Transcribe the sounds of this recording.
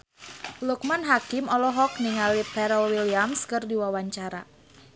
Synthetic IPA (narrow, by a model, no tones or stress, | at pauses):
luk̚manɦakɪmɔlɔɦɔk̚niŋalipɛɾɛlwiliamskɨrdiwawaɲt͡ʃaɾa